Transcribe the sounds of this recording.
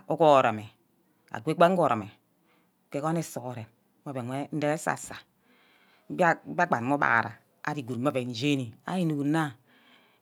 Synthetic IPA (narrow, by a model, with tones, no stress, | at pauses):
o˦ko˦˨ɾa˨me˨ | a̰˨ɡʷe˦k͡pa˦ŋ˦o˨ɾo˨me˨ | ke˨˦ko˦ne˦so˨ko˨ɾe˨m˦ | a˦be˨ŋwe˦n̩˦de˦e˦sa̰˨sa˨˦ | bba˦ɡ͡ba˨m˦o˦ba̰˨ɾa̰˨ | a̰˦ɾi˨ɡu˨˦a˦be˨n˨d͡ʒe˦ni˨a̰˦ji˦nu˨u˨˦na˦